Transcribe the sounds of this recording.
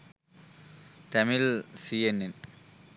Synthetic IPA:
tɐmilsienːen

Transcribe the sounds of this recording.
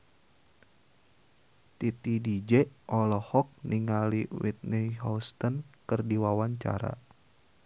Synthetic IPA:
t̪it̪idid͡ʒɛʔɔlɔhɔk̚niŋaliwḭt̪̚niɦɔst̪ənkɨrdiwawaɲt͡ʃa̰ɾa̰

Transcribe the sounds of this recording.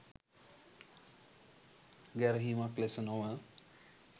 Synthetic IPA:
ɡɛɾɦimaklesənoʋə

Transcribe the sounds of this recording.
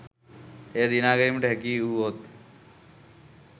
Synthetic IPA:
eːd̪inaːɡəɾimʈeɦkiːuːot̪

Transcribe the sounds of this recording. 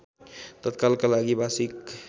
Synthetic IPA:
t̪ət̪kalkalaɡibasik

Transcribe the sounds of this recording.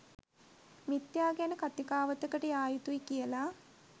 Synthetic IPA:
mit̪jaːɡanəkat̪ikaːʋət̪əkəʈəjaːjut̪uikijəla

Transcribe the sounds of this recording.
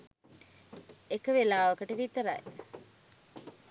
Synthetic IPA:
ekəʋelaːʋɐkəʈəʋit̪əɾa̰e

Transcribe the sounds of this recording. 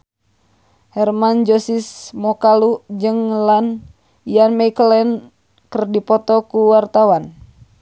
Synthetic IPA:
hɛrmand͡ʒɔsismɔkalud͡ʒɨŋlan | ianmaikəlɛn | kərdipɔt̪ɔkuwart̪awan

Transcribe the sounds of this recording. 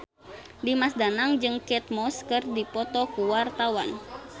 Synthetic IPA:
dimasdanaŋd͡ʒɨŋkɛt̪̚mɔskɨrdipɔt̪ɔkuwart̪awan

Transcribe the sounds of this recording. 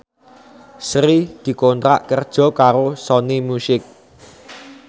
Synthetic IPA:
sɾid̪̥i̤kont̪ɾa̰ʔkərd̥ʒ̥ɔ̤kaɾosɔnimusɪk̚

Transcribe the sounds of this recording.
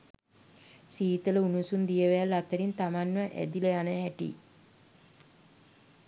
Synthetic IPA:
siːt̪ələunusund̪ijəʋealːat̪əɾint̪amanməʔæ̰d̪iləjanəɦæʈḭ

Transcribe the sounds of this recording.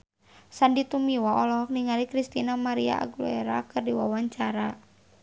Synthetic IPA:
sandit̪umiwaʔɔlɔɦɔk̚niŋalikɾist̪inamaɾia̰a̰ɡlṵɛɾa̰kɨrdiwawaɲt͡ʃaɾa

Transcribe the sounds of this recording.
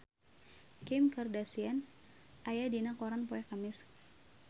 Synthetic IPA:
kɪmkərdasian | ʔajadinakoɾanpoɛkamɪs

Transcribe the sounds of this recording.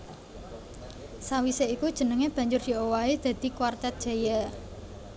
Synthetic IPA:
sawiseikud̥ʒ̥ə̤nəŋeb̥ä̤ɲd͡ʒʊrd̪̥i̤owaed̪̥a̤d̪̥i̤kwart̪ɛt̪̚dʒ̥a̤ja

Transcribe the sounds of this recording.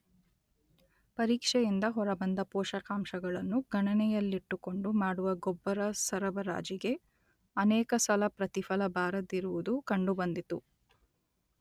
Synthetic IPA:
pɐɾiːkʂɛjind̪ɐɦɔɾɐbɐnd̪ɐpɔːʃɐkaːmʃɐɡɐɭɐnːuɡɐɳɐnɛjɐlːiʈːuko̞ɳɖumaːɽuʋɐɡɔbːɐɾɐsɐɾɐbɐɾa̰ːd͡ʒiɡe̞ | ɐnɛːkɐsɐlɐpɾɐt̪ifɐlɐbaːɾɐd̪iɾuʋud̪ukɐɳɖubɐnd̪it̪u

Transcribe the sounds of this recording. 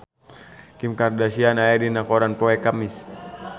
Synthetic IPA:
kimkardasianajadinakɔɾanpɔɛkamis

